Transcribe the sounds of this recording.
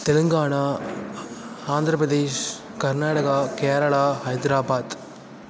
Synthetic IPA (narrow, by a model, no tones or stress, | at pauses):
t̪ɛlɯŋɡaːɳaː | aːnd̪ɾɐpɾɐðeːʃ | kɐɾnaːɽɐɣaːkeːɾɐɭaːɦɐjd̪ɾaːbaːd̪